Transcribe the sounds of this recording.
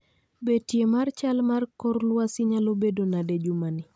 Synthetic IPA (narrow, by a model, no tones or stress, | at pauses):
betjemart͡ʃalmarkɔɾlwasɪɲalobedonaded͡ʒumanɪ